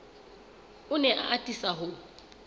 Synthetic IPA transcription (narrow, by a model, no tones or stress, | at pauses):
ʊnɛʔa̰ʔatʼisaɦʊ